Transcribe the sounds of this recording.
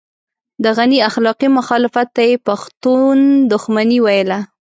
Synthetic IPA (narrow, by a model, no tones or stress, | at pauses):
d̪əɣaniaxlɑqimʊxɑlɪfat̪ːajepaxt̪und̪ʊxmaniwajəla